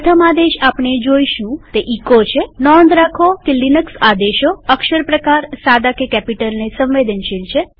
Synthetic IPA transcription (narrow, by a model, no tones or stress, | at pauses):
ət̪ʰəmad̪eʃapɳ̃ed͡ʒoiʃũt̪eʔikot͡ʃʰenɔnd̪ɾakʰokelinəksad̪eʃoəkʃəɾpɾəkaɾsad̪akekɛpiʈəlnesə̃mʋed̪ənʃilt͡ʃʰe